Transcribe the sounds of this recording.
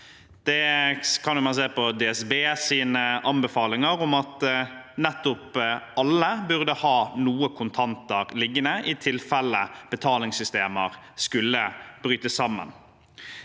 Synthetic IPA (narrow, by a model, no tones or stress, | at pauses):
d̪̥ɛkʰɑnjʊmɑnseːʁpɔd̪ɛːɛsbeːsiːnəʔɑmbɛfɑːlɪŋəɾʊmɑt̪nɛt̪ːʊpʔɑlːəbʉʁd̪əhɑːnuːəkʰʊnt̪ʰɑnt̪əɾlɪɡːənəʔɪt̪ʰɪlfɛlːəb̥ət̪ʰɑːlɪŋsʏst̪eːməɾ | skʉlːəb̥ɾyːt̪əsːɑmːə̰n